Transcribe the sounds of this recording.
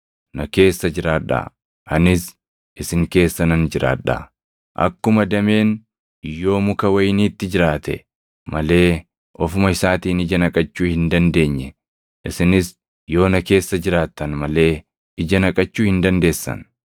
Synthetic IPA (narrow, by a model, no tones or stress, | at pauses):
nɐke̞ːsːɐd͡ʒɪɾaːᶑɐ̰ | ʔɐnɪs | ʔɪsɪŋke̞ːsːɐnɐnd͡ʒɪɾa̰ːᶑa̰ | ʔɐ̰kːʊmɐd̪ɐme̞ːn | jo̞ːmʊkɐwɐjniːt̪ːɪd͡ʒɪɾaːt̪ɛ̰ | mɐle̞ː | ʔɔfʊmɐɪsaːt̪iːnɪd͡ʒɐnɐkʼɐt͡ʃːuːhɪnd̪ɐnd̪e̞ːɲːɛ | ʔɪsɪnɪs | jo̞ːnɐke̞ːsːɐd͡ʒɪɾaːt̪ːɐnmɐle̞ː | ɪd͡ʒɐnɐkʼɐt͡ʃːuːhɪnd̪ɐnd̪e̞ːsːɐ̰n